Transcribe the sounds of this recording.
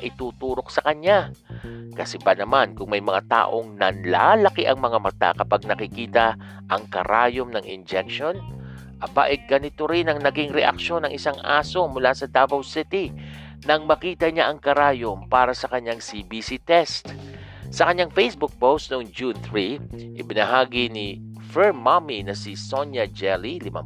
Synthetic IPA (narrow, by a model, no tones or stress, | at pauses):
ʔɪt̪uːt̪uːɾo̞k̚sɐkɐɲːa | kɐsɛbɐnɐmankʊŋmɐjmɐŋat̪a̰ːʔo̞ŋnɐnla̰ːlɐkɪʔɐŋmɐŋamɐt̪a̰kɐpaɡ̚nɐkɪkiːt̪ɐ | ʔɐŋkɐ̰ɾaːjomnɐŋɪ̰nd͡ʒɛk̚ʃo̞n | ʔɐba̰ʔɛɡɐnɪt̪o̞ɾɪnɐŋnɐɡɪŋɾɛʔɐ̰kʃo̞nɐŋʔɪsaŋʔa̰ːso̞mʊlasɐd̪abɐwsɪt̪i | nɐŋmɐkiːt̪ɐɲaʔɐŋkɐɾaːjompaːɾɐsɐkɐɲːaŋsibisit̪ɛst̪sɐkɐɲːaŋfɛjsbʊk̚powst̪̚noŋd͡ʒunθɹiʔɪbɪnɐɦaːɡini | fɛɹmaminɐsɪsonjɐd͡ʒɛlilɪma̰